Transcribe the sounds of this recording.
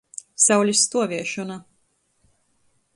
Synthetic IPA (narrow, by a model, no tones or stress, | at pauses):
sawlʲist̪uɔvʲiɛʃɔna